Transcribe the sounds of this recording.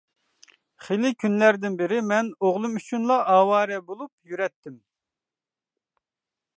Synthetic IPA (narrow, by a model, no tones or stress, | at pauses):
χelɪkʲʰynlæɾd̪ɪnbɪɾɪmɛnoʁlˠɨmyt͡ʃʰunlˠɑʔɑːwɑːɾɛbolˠup̚jyɾɛt̪ʰːɪm